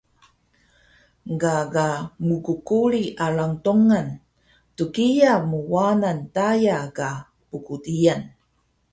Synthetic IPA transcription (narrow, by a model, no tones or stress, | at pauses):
ɡaɡamukukuɭiʔaɭaŋtuŋan | tukijamuwanantajaka | pukutijan